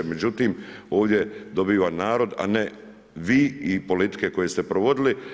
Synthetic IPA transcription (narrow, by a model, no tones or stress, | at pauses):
eme̞d͡ʑut̪iːmo̞ːʋd̪ʲje̞d̪o̞biːʋanaːɾo̞d̪a̰ne | ʋiːipo̞lit̪i̥ke̞ko̞je̞st̪e̞pɾoʋo̞d̪ili